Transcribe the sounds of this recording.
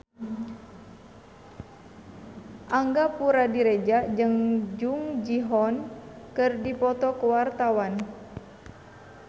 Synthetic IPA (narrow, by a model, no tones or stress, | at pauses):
ʔaŋɡapuɾadiɾed͡ʒad͡ʒəŋd͡ʒuŋd͡ʒiɦɔnkɨrdipɔt̪ɔkəwart̪awan